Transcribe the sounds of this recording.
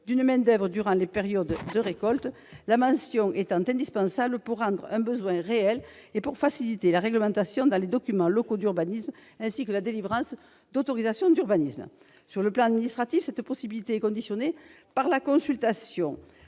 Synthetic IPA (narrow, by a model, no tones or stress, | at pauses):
d̪ynmɛ̃d̪œvʁəd̪yʁɑ̃lepeʁjɔd̪d̪əʁekɔlt̪ | lamɑ̃sjɔ̃ʔet̪ɑ̃t̪ɛ̃nd̪ispɑ̃sabləpuʁːɑ̃d̪ʁɛ̃bəzwɛ̃ʁeɛlepuʁfasilit̪elaʁɛɡləmɑ̃t̪asjɔ̃d̪ɑ̃led̪ɔkymɑ̃lɔkod̪yʁbanism | ɛ̃sikəlad̪elivʁɑ̃s | d̪ot̪ɔʁizasjɔ̃d̪yʁbanismə | syʁləplɑ̃ad̪minist̪χat̪ifsɛt̪pɔsibilit̪eɛkɔ̃d̪isjɔne | paʁlakɔ̃sylt̪asjɔ̃